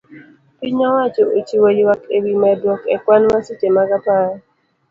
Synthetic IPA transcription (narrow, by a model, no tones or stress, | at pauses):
piɲawat͡ʃoot͡ʃiwojwakewimadwɔkɛkwanmasit͡ʃemakapaɾ